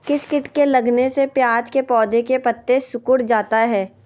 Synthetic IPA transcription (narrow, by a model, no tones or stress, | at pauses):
kɪskɪʈkelɐɡnesepjaːd͡ʒkepɔːd̪ekepɐt̪ːesʊkʊɽd͡ʒaːt̪aɦɛː